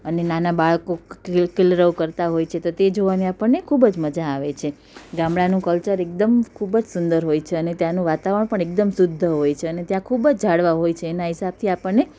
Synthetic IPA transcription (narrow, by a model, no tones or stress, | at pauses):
ənenanabaɭkokɪlɾəʋkəɾt̪aɦojt͡ʃʰet̪ot̪ed͡ʒoʋaniapəɳːekʰubəd͡ʒməd͡ʒaːʋet͡ʃʰe | ɡãmɭanũkəlt͡ʃəɾek̚d̪əmkʰubəd͡ʒsʊnd̪əɾɦojt͡ʃʰeənet̪janũʋat̪aʋɾəɳpəɳek̚d̪əmsʊd̪ʱːəɦojt͡ʃʰeənet̪jãkʰubəd͡ʒd͡ʒʱaɽʋaɦojt͡ʃʰeːnaɦɪsab̚t̪ʰiapəɳːe